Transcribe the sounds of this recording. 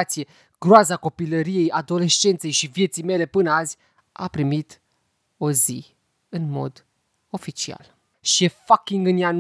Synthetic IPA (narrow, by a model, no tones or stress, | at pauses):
t̪sije̞ | ɡ̥ɾoazako̞piləɾije̞jad̪o̞le̞ʃt͡ʃe̞nt̪se̞jʃivije̞t̪sijme̞le̞pɨnəazʲ | a̰pɾimit̪ | o̞zi | ɨnmo̞̰d̪ | o̞fit͡ʃia̰l | ʃiefakʲiŋɡɨnjan